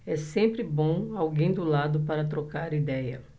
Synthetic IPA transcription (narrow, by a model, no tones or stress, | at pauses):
ɛsẽmpɾɪbõawɡẽj̃d̪ʊlad̪ʊpaɾɐt̪ɾokaɾid̪ɛjɐ